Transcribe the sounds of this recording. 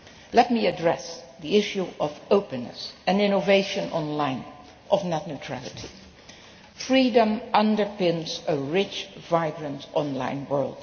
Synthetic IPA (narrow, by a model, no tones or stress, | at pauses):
lɛt̚miɨdɹɛsðiɪʃuʔʌvoʊpɨ̃nːɨ̰sɨ̃nɪ̃noveɪʃɨ̃nʔɔ̰̃nlãɪ̃n | ʔʌvnətⁿnɨtʰɹ̥ælˠɨtʰi | fɹidə̃mʔʌ̃ndə˞pɪ̃nzəɹɪt͡ʃvaɪɡɹə̃ntɔ̃nlã̰ɪ̃nwɜ˞lˠd̥